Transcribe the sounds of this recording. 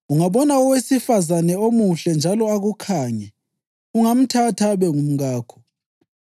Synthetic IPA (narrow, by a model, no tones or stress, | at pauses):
uŋaβɔnaɔwesifazanɛomuɬɛnd͡ʒʱalɔaɣukʰaːɲɛ | uŋam̩tʰatʰaβɛŋum̩ɣaːkʰɔ̥